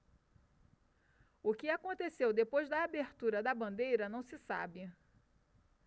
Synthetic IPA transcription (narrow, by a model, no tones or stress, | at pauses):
ʊkɪakõnt̪esewd̪epojzd̪ɐːbeɾt̪uɾɐd̪ɐbɐ̃nd̪ejɾɐnɐ̃w̃sɪsa̰bɪ